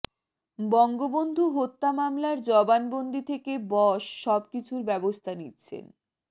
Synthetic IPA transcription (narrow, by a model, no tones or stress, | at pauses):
bɔŋɡobond̪ʱuɦot̪ːamamlaɾd͡ʑɔbanbond̪ʱit̪ʰekebɔʃːɔb̚kit͡ɕʰuɾbɛbost̪ʰanitːɕʰḛn